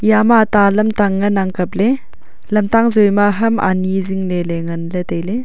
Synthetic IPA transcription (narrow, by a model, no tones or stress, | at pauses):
jamatalɐmtaŋːɐnaŋkɐp̚le | lɐmtaŋzojmaɦɐma̰niziŋneleŋɐnlet̪ɐjle